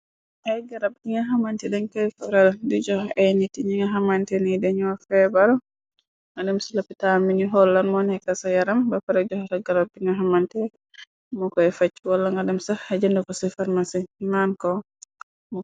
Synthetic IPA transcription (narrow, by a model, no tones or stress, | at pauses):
ʔajɡaɾab̚iŋaɦamantɛdɛɲkajfaɾɛldid͡ʒɔhɛjnitiɲiŋaɦamantɛnidɛɲɔwafɛbaɾ | ŋadɛmsilapːitaminiɦɔlːanmɔnɛkasajaɾambafaɾɛd͡ʒɔhɔtaɡaɾab̚diŋɡaɦamantɛ | mɔkɔɛfat͡ʃːiwalːaŋɡadɛmsaad͡ʒɛndɔkɔsɛfaɾmasimankɔ | mɔ